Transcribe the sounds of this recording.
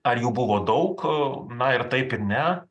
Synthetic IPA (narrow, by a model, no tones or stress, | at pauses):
ɐɾjuːbʊʋoːd̪ɐʊknɐɪɾt̪ɐɪpɪɾnʲɛ